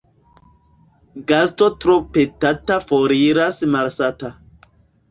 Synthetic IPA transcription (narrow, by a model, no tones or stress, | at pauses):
ɡastotɾopetatafoɾiɾasmalsata